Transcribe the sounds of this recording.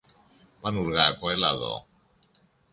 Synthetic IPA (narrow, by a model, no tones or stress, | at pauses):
panuɾɣakaela̰ðo̰